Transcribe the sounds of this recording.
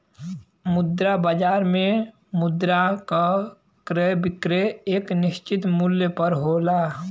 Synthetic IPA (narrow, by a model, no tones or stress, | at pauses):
mʊd̪ɾabəd͡ʒaːɾmẽ | mʊd̪ɾaka | kɾebɪkɾeeːknɪst͡ʃɪt̪muljəpəɾɦola